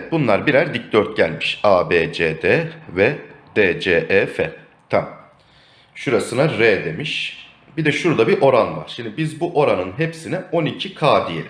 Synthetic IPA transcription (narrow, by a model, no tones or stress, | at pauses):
ɛt̪̚bunlˠaɾbiɾæɾd̪ic̚d̪øɾt̪̚ɟælʲmiʃaːbeːd͡ʒeːd̪eːvɛd̪̥eːd͡ʒeːʔɛːfɛ | t̪ʰam | ʃuɾasɯnaɾed̪e̞miʃ | bid̪ɛʃuɾd̪abiɾʔo̞ɾanva̰ɾ̥ʃind̪ibizbuʔo̞ɾanɯnɦepsinɛo̞nicʰikʰaːd̪ijḛɾʲ